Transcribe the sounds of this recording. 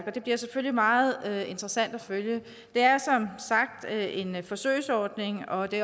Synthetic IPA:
ɡ̥ɒd̥e̝b̥liɐseføl̰limɑ̈ːð̩ˠøe̝nd̥ʁəsæn̰d̥æføljə | d̥e̝æɐsɒ̽msɑ̈ɡ̥̚d̥øʔe̝nfɒ̽sø̰ːɪsɒːd̥ne̝ŋɒ̽d̥e̝

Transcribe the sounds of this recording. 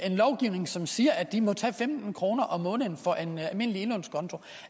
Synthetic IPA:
e̝nlɒʊɡ̥iʊne̝ŋsɒ̽msiːɐæ̥d̥imɒ̽t͡sʰɛ̰ːfemd̥n̩kʰʁo̝ːnɐʔɒ̽mːɔ̽ːnðn̩fɒ̽ʔenælme̝n̰əlie̝nonskʰɒ̽nt͡sʰo̝

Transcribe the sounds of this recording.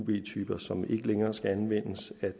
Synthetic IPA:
ʋe̝̰ːt͡sʰyːb̥ɐsɒ̽me̝ɡ̥əleŋɐːsɡ̥æænʋen̰əsæ

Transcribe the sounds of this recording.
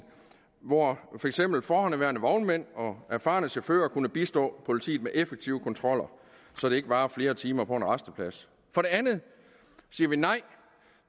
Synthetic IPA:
ʋɒfɒ̽eɡ̥sem̰b̥l̩fɒːhɒ̽næʋæɐnəʋɒʊnmen̰ɒ̽æɐfɑ̰̈ːnəsefø̰ːɐkʰunəb̥isd̥ɔ̰̽ːpʰo̝lit͡sʰḭːð̩ˠmeʔefeɡ̥̚t͡sʰiʊkʰɒ̽nt͡sʰʁɒ̽l̰ɐ | sɒ̽d̥e̝e̝ɡ̥əb̥ɑ̈ːfle̝ːɐt͡sʰiːmɐpʰɒ̽enʁɑsd̥əpʰlæs | fɒ̽ɾ̥e̝ænð̩ˠ | siːɐʋinɑ̈ɪ̰

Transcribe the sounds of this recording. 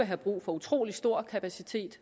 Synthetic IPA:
əɦæb̥ʁṵːfɒ̽ut͡sʰʁo̝̰ːlisd̥o̝ɐ̰kʰæpʰæsit͡sʰe̝̰ːd̥

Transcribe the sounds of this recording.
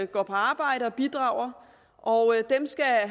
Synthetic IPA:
ɡ̥ɒ̰ːpʰɒ̽ɑ̈ːb̥ɑ̈ɪ̰ɾəɒ̽b̥id̥ʁɑ̈ːʊ̰ɐ | ʔɒd̥emsɡ̥æ

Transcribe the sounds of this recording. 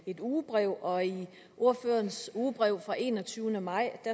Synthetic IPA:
e̝d̥uːb̥ʁɛʊ̰ɒ̽i | ʔo̝ɐ̰føɐnsuːb̥ʁɛʊ̰fʁɑ̈ʔe̝̰ːnɒ̽t͡sʰyːʊnəmɑ̈ɪ̰d̥æ

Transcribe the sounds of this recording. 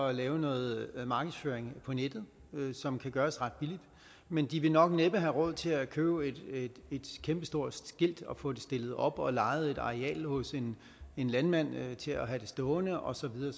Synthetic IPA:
lɛːʊnɔ̽ːð̩ˠmɑ̈ːɡ̥əð̩ˠsføːɐeŋpʰɒ̽ned̥ð̞̩ˠ | sɒ̽mkʰæɡ̥ɶːɐsʁɑ̈d̥̚b̥ilid̥ | mend̥iʋe̝nɒ̽ɡ̥neb̥əɦæʁɔ̽ð̞̰ˠt͡sʰe̝lækʰøːʊed̥e̝d̥kʰemb̥əsd̥o̝ɐ̰d̥sɡ̥e̝l̰d̥ɒ̽fɔ̰̽ːd̥e̝sd̥e̝ləð̞̩ˠɒ̽b̥ɒ̽lɑ̈ɪð̩ˠe̝d̥ɑ̈ʁeɛ̰ːlhɔ̽se̝n | e̝nlænmæn̰t͡sʰe̝æɦæd̥e̝sd̥ɔ̽ːnəʔɒ̽sɒ̽ʋiðˠɐː

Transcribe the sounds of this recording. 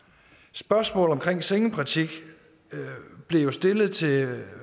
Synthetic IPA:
sb̥ɶɐsmɔ̰̽ːl̩ˠɒ̽mkʰʁeŋ̰seŋəpʰʁit͡sʰiɡ̥ | b̥le̝jo̝sd̥e̝lð̩ˠt͡sʰe̝

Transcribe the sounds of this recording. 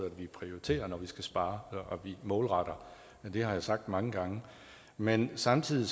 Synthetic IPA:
æd̥ʋipʰʁioʁit͡sʰe̝̰ːɐnɒʋisɡ̥æsb̥ɑ̈ːʔʋimɔ̽ːlʁɑɾ̥ɐ | d̥e̝ɦɑ̈jɑ̈sɑ̈ɡ̥̚d̥mɑ̈ŋəɡ̥ɑ̈ŋə | mensɑ̈mt͡sʰið̰ˠis

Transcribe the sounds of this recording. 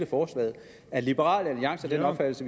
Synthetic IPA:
ləfɒːslɛ̰ːð̩ˠ | æɐlib̥əʁɑ̰̈ːlæliɑ̈ŋ̰səɒd̥enɒ̽b̥fæd̥l̩səʋ

